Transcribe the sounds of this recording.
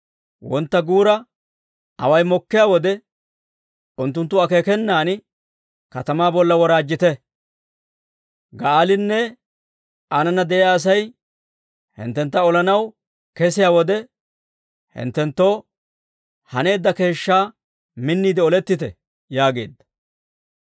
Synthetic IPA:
wɔnt̪ːɐɡuːɾɐ | ɐ̰wɐjmɔkːɪjaːwɔd̪ɛ | ʊnt̪ːʊnt̪ːʊɐke̞ːkɛnːaːn | kɐt̪ɐmaːbɔlːɐwɔɾaːd͡ʒːɪt̪ɛ | ɡɐaːlɪnːɛ | anɐnɐd̪ɛʔɪjaːs̬ɐj | hɪ̰nt̪ːɛnt̪ːɐɔlɐnɐw | kɛsɪjaːwɔd̪ɛ | hɪ̰nt̪ːɛnt̪ːo̞ː | hɐne̞ːd̪ːɐke̞ːʃːaː | mɪnːiːd̪ɪɔlɛt̪ːɪt̪ɛ | jaːɡe̞̰ːd̪ːɐ̥

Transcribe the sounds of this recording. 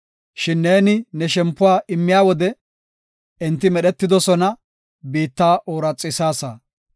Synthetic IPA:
ʃɪnːeːnɪnɛʃɛmpːʊwaːʔɪmːɪjaːwɔd̪ɛ | ɪnt̪ːɪmɛɗɛt̪ːɪd̪ɔsɔnɐ | biːt̪ːaːʔoːɾɐt͡sʼːɪsaːsaː

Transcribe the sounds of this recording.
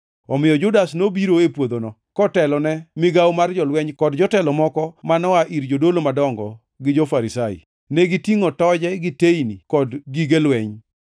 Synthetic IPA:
ɔmɪjɔd͡ʒʊdasnobiɾoepwod̪onɔ | kɔtɛlɔnɛmɪɡawmard͡ʒɔlwɛɲkɔdd͡ʒɔtɛlɔmɔkɔmanɔaʔiɾd͡ʒodolomadɔŋɡɔ | ɡɪd͡ʒofaɾisaḭ | nɛɡitiŋotɔd͡ʒɛɡɪteinikɔdɡiɡelwɛɲ

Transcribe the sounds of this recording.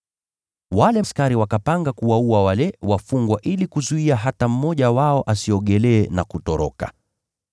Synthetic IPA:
walɛskaɾiwakapaŋɡakuwauawalɛwafuŋɡwaʔilikuzuiaɦatam̩mɔʄawaɔʔasiɔɠɛlɛːnakutɔɾɔ̰ka̰

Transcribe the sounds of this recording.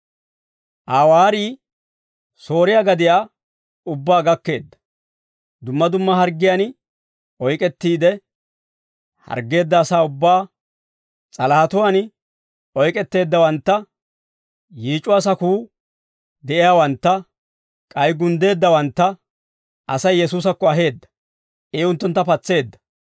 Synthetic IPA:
ʔaːwaːɾiː | so̞ːɾɪjaːɡɐd̪ɪjaː | ʊbːaːɡɐkːe̞ːd̪ːɐ̥ | d̪ʊmːɐd̪ʊmːɐhɐɾɡɪjan | ɔjkʼɛt̪ːiːd̪ɛ | hɐ̰ɾɡːe̞ːd̪ːɐːsaːʊbːaː | t͡sʼɐlɐhɐt̪ʊwan | ɔjkʼɛt̪ːe̞ːd̪ːɐwɐnt̪ːɐ | jiːt͡ʃʼːʊwas̬ɐkuː | d̪ɛʔɪjaːwɐnt̪ːɐ | kʼɐjɡʊnd̪e̞ːd̪ːɐwɐnt̪ːɐ | ʔɐsɐjːɛsuːs̬ɐkːɔɐɦe̞ːd̪ːɐ̥ | ʔeːʊnt̪ːʊnt̪ːɐpɐt͡sːe̞ːd̪ːɐ̥

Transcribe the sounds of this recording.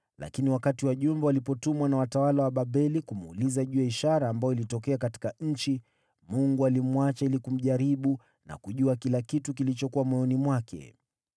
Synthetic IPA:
lʔa̰kiniwakatiwaʄumbɛwalipɔtumwanawatawalawaɓaɓɛlikumulizaʄuɛiʃaɾaːmbajɔilitɔkɛakati̥kaɲ̩t͡ʃi | muŋɡualimuwat͡ʃailikum̩ʄaɾiɓu | na̰kuʄuakilakitukilit͡ʃɔkuwamwɛjɔnimwakɛ̰

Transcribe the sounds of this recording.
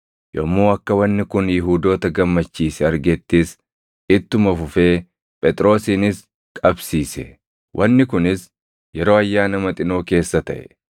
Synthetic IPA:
jɔmːoːɐkːɐwɐnːɪkʊnjɪɦuːd̪o̞ːt̪ɐɡɐmːɐt͡ʃːiːsɛɐɾɡɛt̪ːiːs | ɪt̪ːʊmɐfʊfe̞ː | pʼɛt̪ʼɾo̞ːsiːnɪs | kʼɐbsiːsɛ̰ | wʔɐnːɪkʊnɪs | jɛɾo̞ːɐjːaːnɐmɐt̪ʼɪno̞ːke̞ːsːɐt̪ɐʔɛ̥

